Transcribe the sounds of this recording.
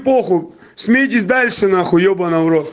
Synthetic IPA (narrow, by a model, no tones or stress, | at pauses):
poxʊ | sʲmʲijitʲɪsʲd̪alʲʂɨnaxʊjobɐnɐvɾot̪